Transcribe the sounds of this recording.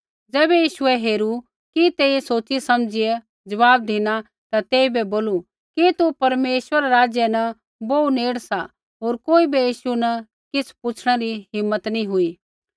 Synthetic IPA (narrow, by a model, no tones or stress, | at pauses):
d͡ʒɛːbɛjiːʃʊɛɦeːɾu | kit̪eːisoːt͡ʃisɐmd͡ʒɪɛ | d͡ʒɐʋaːb̚d̪iːna | t̪at̪eːibɛboːlu | kit̪upɐɾmeːʃwəɾaɾaːd͡ʒjənɐ | boːuneːɽsa | ɦoːɾkoːibijiːʃunɐ | kɪsʰpʊt͡ʃʰɽ̃ɛɾiɦɪmːət̪nĩɦʊi